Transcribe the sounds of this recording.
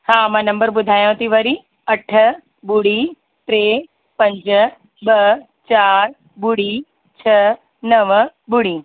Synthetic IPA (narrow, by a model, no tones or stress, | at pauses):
hãːmãːnɐ̃mbəɾbʊd̪ʱaːjõt̪iʋɐɾi | ɐʈʰə | bʊɽi | t̪ɾeː | pɐ̃ɲd͡ʑ | bɐ | t͡ɕaːɾ | bʊɽi | t͡ɕʰɐ | nɐʋbʊɽiː